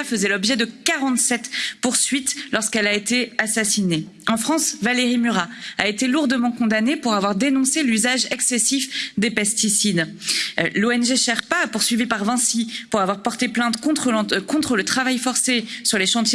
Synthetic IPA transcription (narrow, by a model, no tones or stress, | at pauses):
afəzɛlɔbʒɛd̪əkaʁɑ̃t̪sɛt̪puʁsɥit̪lɔʁskɛlaet̪easasineɑ̃fχɑ̃svaleʁimyʁaaet̪eluʁd̪əmɑ̃kɔ̃d̪anepuʁavwaʁd̪enɔ̃selyzaʒɛksɛsifd̪epɛst̪isid̪ | loɛnʒeʃɛʁpaːpuʁsɥivipaʁvɛ̃sipuʁavwaʁpɔʁt̪eplɛ̃t̪kɔ̃χkɔ̃t̪χələt̪χavajfɔʁsesyʁleʃɑ̃t̪je